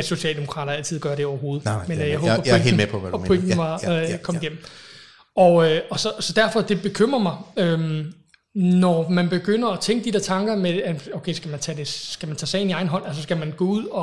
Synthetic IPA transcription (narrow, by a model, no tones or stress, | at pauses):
æ̥so̝ɕɛ̰ːld̥e̝mo̝kʰʁɑ̰̈ːɾɐæl̰t͡sʰið̰ˠɡ̥ɶɐɾ̥e̝ɒʊɐɦo̝ːð̞̩ˠmenjɑɦɔːbɐŋepʰɔʋpʰeŋn̩mɑ̈kʰɒ̽miɡem̰m̩ | ɒ̽øɒ̽sɒ̽sɒ̽d̥æɐfɒ̽d̥e̝b̥e̝kʰøm̰ʁɐmɑ̈ɪøm | nɒmænb̥e̝ɡ̥øn̰ɐɒ̽t͡sʰeŋɡ̥əd̥id̥ɾe̝ɐt͡sʰɑ̈ŋɡ̥ɐmeæoʊkʰeɪsɡ̥æmænt͡sʰɛd̥e̝sɡ̥æmænt͡sʰɛ̰ːsɛ̰ɪ̰niɑ̈ɪn̩ɦɒ̽n̰ælsəsɡ̥æmænɡ̥ɔːuð̰ˠɒ̽